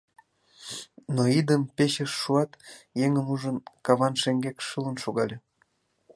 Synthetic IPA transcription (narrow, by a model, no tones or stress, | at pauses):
noid̪əmpeɕəʃːuɑt̪jeŋəmuʒənkɑβɑnʃeŋɡekʃələ̆nʃoɣɑlʲe